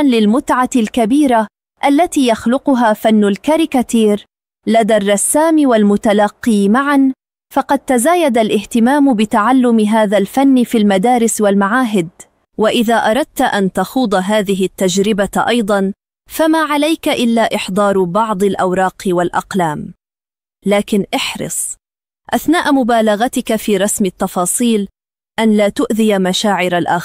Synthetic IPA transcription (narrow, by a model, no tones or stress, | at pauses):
nlɪlmʊt̪ʕalkabiːɾa | ʔalːat̪iːjaxlʊqʊɦaːfanːʊlkaɾɪkat̪iːɾ | lad̪arˤːɑsːaːmɪwalmʊt̪alɑqːiːmaʕan | fɑqɑd̪̚t̪azaːjad̪alʔɪht̪ɪmaːmʊbɪt̪aʕalːʊmɪɦaːðalfanːɪfiːlmad̪aːɾɪswalmaʕaːɦɪd̪ | waʔɪðaːʔɑɾˤɑd̪̚t̪ʔant̪axuːd̪ˤɑɦaːðɪɦɪt̪ːad͡ʒɾɪbaʔɑjd̪ˤɑn | famaːʕalajkaʔɪlːaːʔɪħd̪ˤɑːɾˤbɑʕd̪ˤɪlʔɑwɾˤɑːqwalʔɑ̰qlaːm | laːkɪnʔɪħɾɨ̰sˤ | ʔaθnaːʔmʊbaːlɑɣat̪ɪkafiːɾˤɑsmɪt̪ːɑfɑːsˤiːl | ʔanlaːt̪ʊʔðɪjamaʃaːʕɪɾalʔaːxɾ